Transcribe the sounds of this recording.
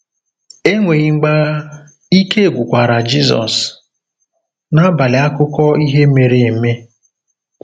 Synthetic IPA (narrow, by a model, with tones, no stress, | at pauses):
e˦ŋʷe˨ɣi˨ŋ͡m̩˦ɡ͡ba˦ | i˦ke˦e˨ɡʷʊ˨kʷa˨ɾa˨d͡ʒi˦zɔ̰˨s | na˦ba˨lɪ˨a˦kʊ˦kɔ˦i˦ɦe˦me˨ɾe˨me˦